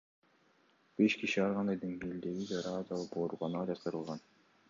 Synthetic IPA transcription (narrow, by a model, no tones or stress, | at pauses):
b̥e̞ʃkiʃiɑɾʁɑnd̪ɑjd̪eŋɡeld̪e̞ɡid͡ʒɑɾɑd̪ɑlˠɯpoɾuʁɑnɑd͡ʒɑt̪ɯɾɯlˠʁɑn